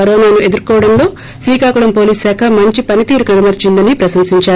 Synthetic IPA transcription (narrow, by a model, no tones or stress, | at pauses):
ɐɾoːnaːnue̞d̪uɾkɔːʋɐɽɐnlo̞ː | sʋiːkaːkuɽɐmpo̞ːliːssɛːkʰɐmɐɲt͡ʃipɐnit̪iːɾukɐnɐmɐɾt͡ʃind̪ɐnipɾɐsɐmsiɲt͡ʃaː